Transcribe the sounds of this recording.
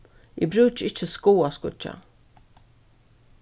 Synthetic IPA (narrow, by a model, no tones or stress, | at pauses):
ḭbɾʉːt͡ʃɪt͡ʃːəskuːaskʊt͡ʃa̰